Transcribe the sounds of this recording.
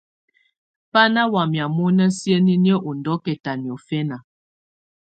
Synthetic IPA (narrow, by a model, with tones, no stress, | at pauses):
pa˦na˦wa˨mja˨mo˦nə˦sjə˦ni˦njə˦ʔo˨ndɔ˨˦kɛ˨ta˨ni˨ɔ˨fɛ˦na˨